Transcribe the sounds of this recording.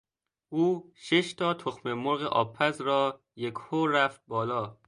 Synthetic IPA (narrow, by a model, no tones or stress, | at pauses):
ʔuːʃeʃt̪ʰɒːt̪ʰoxmemoɾɣeʔɒ̰ːpʰːæzɾɒː | jekʰhoːɾæft̪̚bɒːlɒː